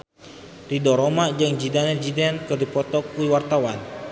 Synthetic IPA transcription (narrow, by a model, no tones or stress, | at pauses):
ridɔɾomad͡ʒɨŋd͡ʒidanɛd͡ʒidɛnkɨrdipɔt̪ɔkuiwart̪awan